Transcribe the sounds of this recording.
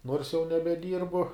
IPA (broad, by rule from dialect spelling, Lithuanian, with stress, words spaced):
noːrs jɛʊ nʲɛbʲɛˈdʲiːrbʊ